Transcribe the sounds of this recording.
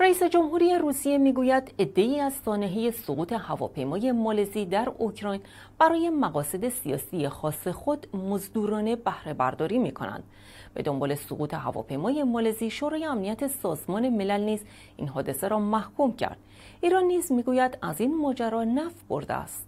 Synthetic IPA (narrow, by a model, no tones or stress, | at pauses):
ræiːse̞d͡ʒo̞mhuːɾiːjeruːsije̞miːɡuːjæd̪e̞d̪ːe̞iːæzsɒːneɦeje̞soɣuːt̪ʰe̞hævɒ̰ːpʰe̞jmɒːje̞mɒːleziːd̪æɾokʰɾɒːjn | b̥æɾɒːje̞mæɣɒːse̞d̪e̞sijɒ̰ːsijexɒːse̞xo̞d̪mozd̪uːɾɒːne̞bæhɾe̞bæ̰ɾd̪ɒːɾiːmiːkʰo̞̰næ̰nd̪̥ | be̞d̪o̞mbɒ̰ːle̞so̰ɣuːt̪ʰe̞ɦæ̰vɒ̰pʰe̞jmɒːje̞mɒːleziːʃoɾɒːje̞æmnijæt̪ʰe̞sɒːzmɒːne̞me̞lælniːz | ʔḭnɦɒːd̪e̞se̞ɾɒːmæhkʰumcʰæ̰ɾd̪̥ | iːɾɒnːiːzmiːɡuːjæd̪æzinmɒːd͡ʒæɾɒːnæfbo̞̰ɾd̪ḛæ̰st̪